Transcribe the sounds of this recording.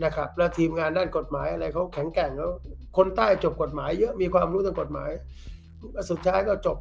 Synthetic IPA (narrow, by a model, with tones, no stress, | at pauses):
na˦˥kʰɾa˦˥p̚lɛ˦˥wt̪ʰiː˧mŋaː˧ndaː˥˩nko˨˩t̪̚maː˩˦jʔa˧ɾa˧jkʰa˦˥wkʰɛ˩˦ŋkɛ˨˩ŋkɛ˦˥wkʰo˧nt̪aː˥˩jt͡ɕo˨˩p̚ko˨˩t̪̚maː˩˦jːɤ˦˥ʔmiː˧kʰwaː˧mɾu˦˥t̪a˧ŋko˨˩t̪̚ma̰ː˩˦j | su˨˩t̪̚ʰːaː˦˥jkɔː˥˩t͡ɕo˨˩p̚